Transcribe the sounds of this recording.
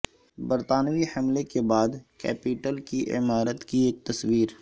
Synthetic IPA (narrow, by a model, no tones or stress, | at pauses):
bɐɾt̪aːnwihɐmlekebaːd̪kɛ̰ːpiʈəlkiʔɪ̰maːɾət̪kieːk̚t̪ɐswiːɾ